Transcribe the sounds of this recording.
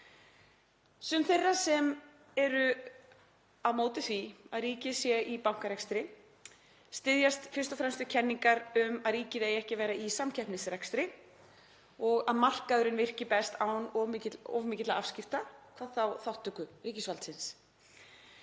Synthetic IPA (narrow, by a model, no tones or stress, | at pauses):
sʏmθejrːasɛm | ɛɾʏ | awmoːwt̪ɪθviaðriːcɪsjɛʔipaw̥ŋ̥kaɾɛkst̪ɾɪ | st̪ɪðjast̪fɪr̥st̪ɔfɾɛmst̪ʏcʰɛnːiŋkaɾʏmaðriːcɪðejɛhcɪvɛːjɾaisamcʰɛhpnɪsrɛkst̪ɾɪ | ɔɣaðmar̥kaðʏɾɪnvɪr̥cɪpɛst̪awnɔ̰vmɪːcɪt̪laav̥scɪft̪akʰvaðθawθawht̪ʏkʏriːcɪsvalt̪sɪns